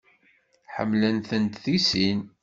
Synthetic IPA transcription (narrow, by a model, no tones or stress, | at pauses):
ħə̰mːlənθənt̪θisin